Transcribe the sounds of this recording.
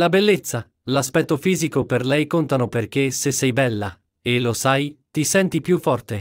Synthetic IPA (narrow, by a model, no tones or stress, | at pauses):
labelːet̪sːa | laspɛt̪ːofiːzikoperlɛjkont̪anoperk̟esesɛjbɛlːa̰ | elosajt̪isɛnt̪ipjufːɔrt̪e